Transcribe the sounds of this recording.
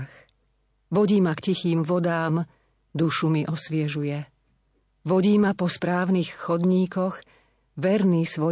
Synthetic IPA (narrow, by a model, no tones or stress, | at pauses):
x | ʋɔɟiːmakcixiːmʋɔd̪aːm | d̪uʃumiʔɔsʋɪɛʒujɛ | ʋɔɟiːmapɔspɾaːʊnixxɔd̪ɲiːkɔɣ | ʋɛɾniːsʋɔ